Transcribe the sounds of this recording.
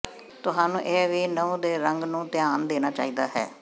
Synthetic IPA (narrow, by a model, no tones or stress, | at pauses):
t̪ʊɦaːnũːʔeːʋiːnəũːd̪eːɾəŋɡnũːt̪ɪjaːnd̪eːnaːt͡ʃa̰ːiːd̪a̰ːɦɛ̰ː